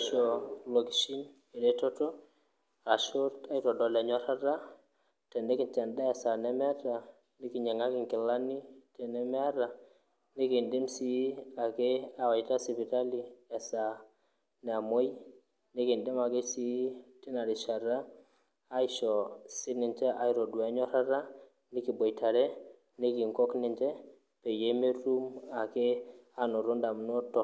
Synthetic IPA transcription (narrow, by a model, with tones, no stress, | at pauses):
ʃɔ˨lo˨ki˨ʃi˦n | e˨dɛ˦tɔ˦tɔ˦ | a˨ʃo˦ta˦itɔ˨dɔ˨lɛ˨ɲɔ˦ɾa˦ɾa˦ | tɛ˨nde˦ki˨nt͡ʃa˨nda˦ɛ˨sa˨nɛ˦mɛ˦ta˨ | nɪ˦ki˨ɲɛ˨ŋa˦kɪ˨ŋkɪ˨la˦ni˦tɛ˨nɛ˦m˦a˦ɾa˨ | nɪ˦ki˨nde˦msi˦a˨ke˦a˨wa˨jta˦si˨pi˨ta˦li˦ɛ˨sa˨ | n˨a˨mo˦j | ni˦ki˨nde˦ma˨ke˦si˦ti˦na˨ɾi˨ʃa˨ɾaː˦ | i˦ʃɔ˨sɪ˦nɪ˨nt͡ʃɛ˦ʔa˦jɾo˨dwa˨˦ɲɔ˦ɾa˦ɾa˦ | ni˦ki˨bo˨jta˨ɾɛ˦ | ni˦ki˨ŋkɔ˦knɪ˨nt͡ʃɛ˦ | pe˨je˦me˦tu˦ma˨ke˦a˨no˨ɾo˦nda˨m˨no˦tɔ˨